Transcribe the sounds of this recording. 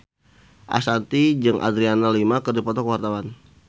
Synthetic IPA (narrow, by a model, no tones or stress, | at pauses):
ʔa̰sant̪id͡ʒɨŋʔa̰d̪ɾianalimakərdipɔt̪ɔkəwart̪awan